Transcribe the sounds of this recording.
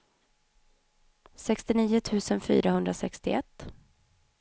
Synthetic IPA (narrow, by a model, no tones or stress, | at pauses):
sɛkst̪ɪniːʊt̪ʰʉ̟ːsənfy̰ːɾahɵnd̪ɾasɛkst̪ɪɛt̪ː